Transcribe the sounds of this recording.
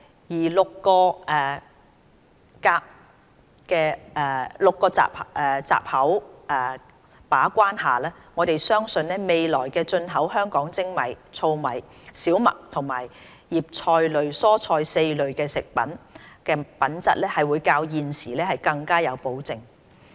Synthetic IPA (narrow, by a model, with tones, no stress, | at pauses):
jiː˨˩lʊ˨kːɔː˧ʔɛː˨ | kaː˧p̚ | kɛː˧ɛː˨˩lʊ˨kːɔː˧t͡sa̰ː˨p̚ʔɛ˨t͡sa̰ː˨p̚hɐ˨˥wʔɛ˨ | paː˨˥kʷaː˥nhaː˨lɛː˥ŋɔː˨˧t̪e˨jsœː˥ŋsɵ˧nlɛː˥me˨jlɔː˨˩jkɛː˧t͡ʃɵ˧nɦɐ˨˥wɦœː˥ŋkɔː˨˥ŋt͡sɪ˥ŋmɐ̰˨˩jt͡sʰo˧wmɐ˨˩j | siː˨˥wmɐ̰˨k̚t̪ʰʊ˨˩ŋma̰ː˨˩j | jiː˨p̚t͡ʃʰɔː˧jlɵ˨˧ɥsɔː˥t͡ʃʰɔː˧jse˧jlɵ˨ɥkɛː˧sɪ˨k̚pɐ̰˨˥nkɛː˧pɐ˨˥nt͡sɐ̰˥t̚lɛː˥hɐ˨jwuː˨˧jkaː˧wjiː˨nsiː˨˩lɛː˥hɐ˨jkɐ˧ŋkaː˥jɐ˨˧wpo˨˥wt͡sɪ˨ŋ